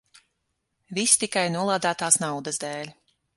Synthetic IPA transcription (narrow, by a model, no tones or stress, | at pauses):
vist̪ikajnuɔlˠaːd̪aːt̪aːsnawd̪əzd̪ɛːlʲ